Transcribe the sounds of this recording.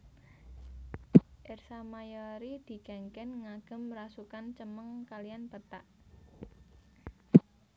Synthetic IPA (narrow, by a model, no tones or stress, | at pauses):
ʔersamajɔɾid̪̥i̤kɛŋkɛnŋaɡ̥ə̤mrasukant͡ʃəməŋkalianpət̪aʔ